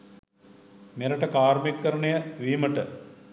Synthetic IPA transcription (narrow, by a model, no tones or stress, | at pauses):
meɾəʈəkaːɾmikːɐɾəɳejəʋiːməʈə